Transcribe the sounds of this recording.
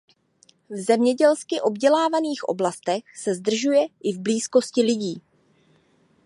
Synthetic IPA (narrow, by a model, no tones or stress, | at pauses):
vzɛmɲɛɟɛlskɪʔo̞bɟɛlaːvaniːxʔo̞̰blast̪ɛxsɛzd̪r̩ʒujɛʔɪvbliːsko̞scɪlɪɟiː